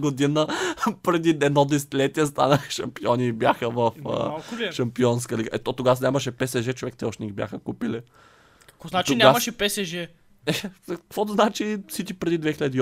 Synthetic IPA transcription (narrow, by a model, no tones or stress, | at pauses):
ɡod̪inəpɾɛd̪iɛd̪nɔd̪ɛsɛ̥t̪ilɛt̪iɛs̬t̪a̰nəxʃɐmpiɔnibjaxəvəfə̰ʃɐmpiɔnskəliɡəʔɛt̪ɔt̪oɡasnʲɲʲaməʃɛpɛsɛʒɛt͡ʃovɛk̚t̪ɛɔʃnʲiɡbʲjaxəkupili | kɔznat͡ʃ̪inʲamɐʃɛpɛsɛʒɛ | ɛkəkvɔt̪znat͡ʃifsit͡ʃkʲipɾɛd̪id̪vɛxilʲəd̪i